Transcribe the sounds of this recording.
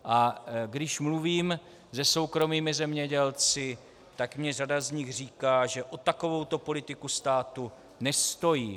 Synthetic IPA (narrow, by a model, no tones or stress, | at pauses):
ʔaɡdɪʃmluviːm | zɛso̞wkɾo̞miːmɪzɛmɲɛɟɛlt͡sɪ | t̪akmɲɛradazɲɪxr̝iːkaːʒɛʔo̞t̪ako̞vo̞wt̪o̞po̞lɪt̪ɪkust̪aːt̪u | nɛst̪o̞jiː